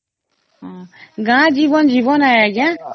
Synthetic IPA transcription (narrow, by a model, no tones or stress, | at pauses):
ɦãɡãːd͡ʒiːʋənd͡ʒiːʋonaːjaːɡãː